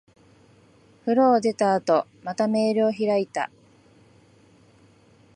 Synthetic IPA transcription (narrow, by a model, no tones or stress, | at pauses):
ɸɯ̟ɾoːd̪e̞t̪aːt̪o̞mat̪ame̞ːɾoːçiɾait̪a̰